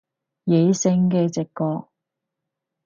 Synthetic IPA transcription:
je˨˧jsɪ˧˥ŋkɛː˧t͡sɪ˨kːɔː˧k̚

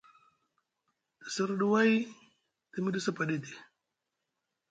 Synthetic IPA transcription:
tə˨si˦ɾɗu˦wa˦j | ti˨mi˦di˦sa˦pa˨di˦di˨

